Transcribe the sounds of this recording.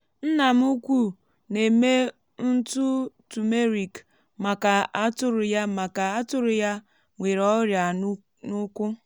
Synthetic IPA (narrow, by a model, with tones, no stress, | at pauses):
n̩˦na˨m̩˦u˦kʷu˦ | ne˨me˦ | n̩˦tu˦tu˨me˦ɾi˨k | ma˨ka˨a˦tʊ˦ɾʊ˨ja˦ma˨ka˨a˦tʊ˦ɾʊ˨ja˦ | ŋʷe˨ɾɔ˦ɾja˨ | nʊ˦kʷʊ˦